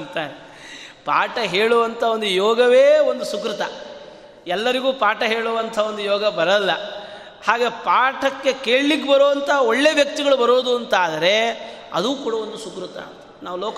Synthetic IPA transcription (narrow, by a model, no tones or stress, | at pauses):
nt̪aːɾ | paːʈɐɦeːɭuʋɐnt̪ʰɐo̞nd̪ujɔːɡɐʋeːo̞nd̪usukɾut̪ɐ | ɛlːɐɾiɡuːpaːʈɐɦeːɭuʋɐnt̪ʰɐao̞nd̪ujɔːɡɐbɐɾɐlːɐ | haːɡepaːʈʰɐkːe̞keːɭlikːebɐɾoːʋɐnt̪ʰɐɐoɭːeːʋjɐk̚t̪iɡɐɭubɐɾoːd̪uɐnt̪aːd̪ɐɾe̞ | ɐ̰d̪uːkuːɽɐo̞nd̪usukɾut̪ɐ̰ːnt̪ɐnaːʋulɔːk